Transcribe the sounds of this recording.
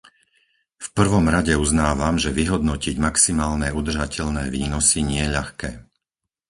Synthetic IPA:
fpr̩ʋɔmɾaɟɛuznaːʋamʒɛʋiɦɔd̪nɔciɟmaksimaːlnɛːud̪r̩ʒacɛʎnɛːʋiːnɔsiɲɪɛʎaxkɛː

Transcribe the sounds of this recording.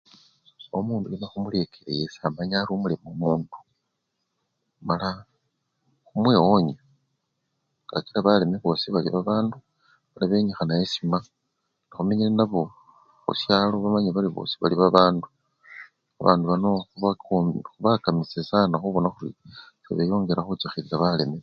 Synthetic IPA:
omuːndujenaxumule̞kʰe̞ɾḛjesamaɲaɾumule̞momuːnd̥u̥ | mala | xumweːwo̞ɲe | ɡ̥a̰ciɾaβale̞meβosiβalḭβaβaːndu | βalaβe̞ɲixanajesima | nixumeɲilenaβo̞ | xṵsjalo̞βamaɲeβaliβo̰si̥βaliβaβaːndu | aβa̰ːnduβanoxuβaxuβakamisesanaxuβo̞naxuɾḭsḛβejo̞ːŋɡe̞ɾaxut͡ʃaxiɾiɾaβale̞me

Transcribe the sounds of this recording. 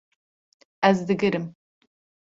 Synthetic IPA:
æzd̪ɨɡɨɾɨm

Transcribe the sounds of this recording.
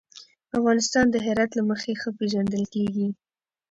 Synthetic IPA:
afɣɑnɪst̪ɑnd̪əɦɪɾɑt̪laməxexəpeʒand̪əlkeɡi

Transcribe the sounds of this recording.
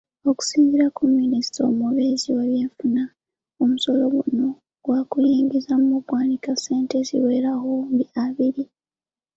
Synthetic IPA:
o̞ku̥siːɲiɾakumːinisto̰muβeziwaβje̞ːfuna | omuso̞lo̞ɡuno̞ | ɡwakujiːŋɡizamuβwaːnikase̞ːnte̞zḭwe̞ːɾahumbiaβiɾi

